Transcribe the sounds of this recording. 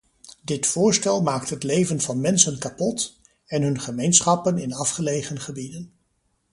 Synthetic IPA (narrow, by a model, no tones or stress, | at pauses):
dɪtfʊːɹstɛlˠmaːktɦətlejvənvɑnmɛnsənkapɔt | ɛnɦɵnχəmejnsχɑpənɪnɑfχəlejχənχəbidən